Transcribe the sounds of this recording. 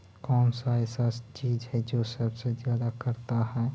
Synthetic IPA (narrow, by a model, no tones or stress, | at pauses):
kɔːnsaɛsaːst͡ʃiːzɦɛd͡ʒoːsɐbsezjaːd̪akəɾt̪aɦɛː